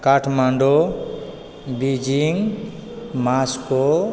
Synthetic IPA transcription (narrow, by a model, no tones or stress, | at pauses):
kaʈʰmaɳɖɔ | bid͡ʒiŋ | maskɔ